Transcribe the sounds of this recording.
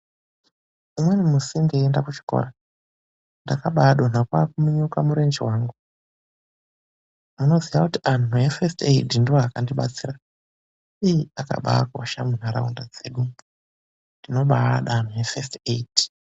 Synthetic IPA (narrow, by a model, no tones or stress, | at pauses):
umwenimusiŋɡeendakut͡ʃi̥ko̰ra | ndakaɓaɗo̞n̤akwakumiɲukamuɾend͡ʒiwaːŋɡu | muno̞ziʋakutiʔanue̞festeidindiwoakandiɓa̰t͡sira | ijiaka̰ɓa̰akuaʃamun̤aɾa̰undad͡ze̞̰ːɗu | ndino̞ɓaɗan̤uɦefesteid̥i̥